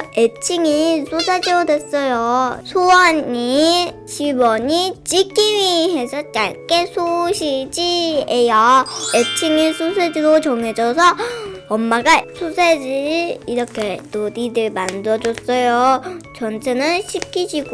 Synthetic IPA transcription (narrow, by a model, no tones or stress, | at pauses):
et͡ɕʰiŋisʰosʰed͡ʑiʌdwes͈ʌjosʰowaniɕibʌɲit͡ɕiɡ͈imiɦe̞sʰʌt͡ɕ͈aɭk͈esʰoɕʰid͡ʑiejʌet͡ɕʰiŋisʰusʰed͡ʑiɾot͡ɕʌŋed͡ʑʌsʰʌːmːaɡasʰosʰed͡ʑiiɾʌkʰe̞todidɯɭmandʌd͡ʑʌs͈ʌjot͡ɕʌnt͡ɕʰenɯnɕʰip̚k͈ʰid͡ʑiɡo